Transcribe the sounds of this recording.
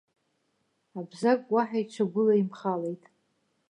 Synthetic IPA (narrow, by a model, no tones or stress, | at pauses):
abzakʼwaħajʈ͡ʂʷʰaɡʷʊlaimχale̞jtʼ